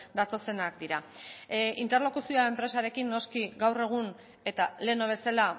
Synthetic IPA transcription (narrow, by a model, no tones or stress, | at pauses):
d̪at̪o̞se̞nakd̪iɾa | int̪e̞rlo̞kusioae̞mpɾe̞saɾe̞kinːo̞skiɡawre̞ɣ̞un | e̞t̪ale̞noβ̞e̞sala